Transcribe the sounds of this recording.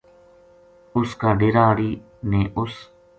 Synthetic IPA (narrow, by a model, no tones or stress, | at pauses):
ʊskãːɖeɾaːɽiː | neːʔʊs